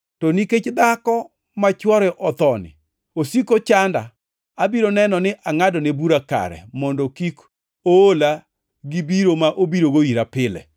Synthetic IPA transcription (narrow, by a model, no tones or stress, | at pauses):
tɔniket͡ʃd̪akɔ | mat͡ʃwɔɾɛʔɔt̪ɔnɪ̰ | osikot͡ʃanda̰ | abiɾonɛnɔnɪʔaŋadɔnebuɾaka̰ɾɛ̰mɔndɔkik | oola | ɡibiɾomaʔobiɾoɡoiɾapɪlɛ̰